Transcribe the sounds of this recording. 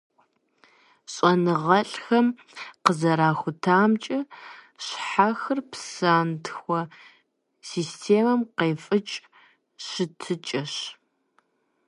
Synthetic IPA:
ɕʼɐnɨʁɐɬʼxɐm | qəzɐɾaːxʷʊtʰaːmt͡ʃʼɐ | ɕħaxɨrpsaːntʰxʷɔ | siːstʰeːmɐmqeːfʼɨt͡ʃʼ | ɕɨtʰɨt͡ʃʼɐɕ

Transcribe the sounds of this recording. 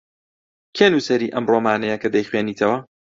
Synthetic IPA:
kʰeːnuːsɐɾiːʔɐmroːmaːnɐjɐkɐd̪ɐjχweːniːt̪ʰɐwɐ

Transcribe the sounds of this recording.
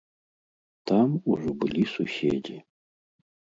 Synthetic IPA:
tʰamuʒʷʊbɨlisuɕedi

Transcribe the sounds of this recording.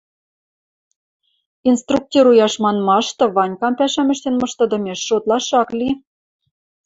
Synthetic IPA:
inst̪ruk̚t̪ʲeɾujɑʃmɑnmɑʃt̪ɤ̆βɑnʲkɑmpæʃæmʲɘ̆ʃt̪enmɤ̆ʃt̪ɤ̆d̪ɤ̆mʲeʃːot̪lɑʃɑklʲi

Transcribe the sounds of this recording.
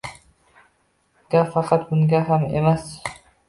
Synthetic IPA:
ɡ̥ʲafɑqʰɑt̪bʊŋɡʲaɦamḛmas

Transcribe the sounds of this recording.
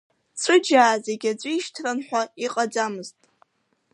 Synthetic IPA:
t͡sʰɨd͡ʒaːze̞ɡʲad͡zʷɨiʃtʰranħʷᶣaiqʼad͡zamɨztʼ

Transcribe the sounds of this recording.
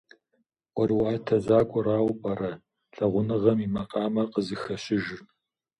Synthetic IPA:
wɔrwaːtʰɐʑaːkʷʼʊraːwpʼɐɾɐ | ɬɐʁʷʊnɨʁɐmimɐqʼɑːmɐqəzɨxɐɕɪʒr

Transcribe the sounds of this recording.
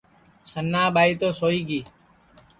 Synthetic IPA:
sənːaːɓaːiːt̪oːsoːiːɡiː

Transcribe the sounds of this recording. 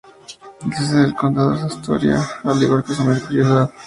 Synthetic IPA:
kes̬eelkont̪aðesaist̪o̰ɾja̰aliɣaɾkosameɾkuɾjoða

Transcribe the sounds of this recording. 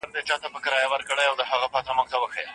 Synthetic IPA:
ɾd̪et͡ʃɑt̪apəkəɾɑjawəɾkəɽajawd̪əɦaɣapɑt̪amʊɡ̚t̪awəxḛ

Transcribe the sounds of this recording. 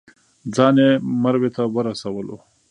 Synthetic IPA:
d͡zɑnemaɾwet̪awəɾasawəlo̰

